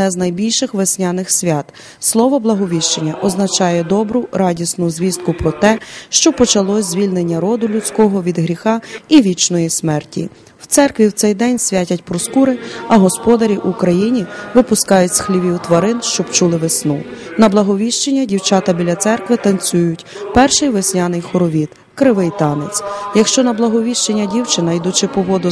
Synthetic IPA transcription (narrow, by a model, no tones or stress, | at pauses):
d̪nɛznɐjbʲilʲʃɪxʋesʲnʲanɪxsʲʋʲɑt̪ | slˠɔʋɔblˠɐɦɔʋʲiʃt͡ʃenʲːɐʔɔznɐt͡ʃɑjɛd̪ɔbɾʊɾɑdʲisnʊzʲʋʲist̪̚kʊpɾɔt̪ɛʃt͡ʃɔpɔt͡ʃɐlˠɔzʲʋʲilʲnenʲːɐɾɔd̪ʊlʲʊtt͡sʲkɔɦɔʋʲid̪ɦɾʲixɑiʋʲit͡ʃnɔjismɛrtʲḭ | w̥t̪sɛrkʋʲiwt̪sɛjd̪ɛnʲsʲʋʲatʲɐtʲpɾɔskuɾɪɐɦɔspɔd̪ɐɾʲiʔukɾɐjinʲiʋɪpʊskɑjʊtʲsxlʲiʋʲiwt̪ʋɐɾɪnʃt͡ʃɔbt͡ʃulˠɪʋesnunɐblˠɐɦɔʋʲiʃt͡ʃenʲːɐdʲiwt͡ʃɑt̪ɐbʲilʲɐt̪sɛrkʋɪt̪ɐnt͡sʲujʊtʲ | pɛrʃɪjʋesʲnʲɑnɪjxɔɾɔʋʲit̪ | kɾɪʋɪjt̪ɑnet͡sʲjɐkʃt͡ʃɔnɐblˠɐɦɔʋʲiʃt͡ʃenʲːɐdʲiwt͡ʃɪnɐjd̪ut͡ʃɪpɔʋɔd̪ʊ